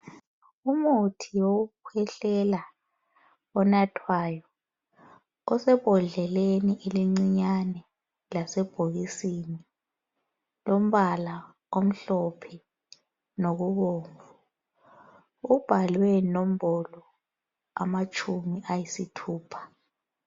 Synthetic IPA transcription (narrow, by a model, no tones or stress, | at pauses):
umutʰijoɣukʰwɛɬɛla | ɔnatʰwaːjɔ | ɔsɛb̥ʱɔɮɛleniʔeliŋ͡ǀiɲanɛ | lasɛb̥ʱoɣisini | lom̩βala | om̩ɬɔpʰɛ | noɣuɣoːɱvu | ub̥ʱalwɛnom̩bɔlɔ | a̰mat͡ʃʰʼumiʔajisitʰuːpʰḁ